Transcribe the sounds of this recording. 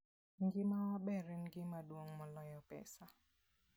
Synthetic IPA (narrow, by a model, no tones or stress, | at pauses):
ŋɡɪmabɛɾɛnɡɪmadwoŋmɔlɔjɔpɛ̰sa